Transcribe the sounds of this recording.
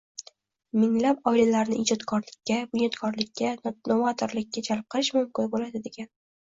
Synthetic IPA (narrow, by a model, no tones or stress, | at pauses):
mɪŋlapɒilalaɾnɪɪd͡ʒɒt̪kʰɒɾlɪkʲːabʊnjɒt̪kʰɒɾlɪkʲʰːanovat̪ʰɪɾlɪkʲʰːad͡ʒalp̚qʰɨlˠɪʃmʊmkʲɪnbolad̪ɪd̪e̞ɡʲan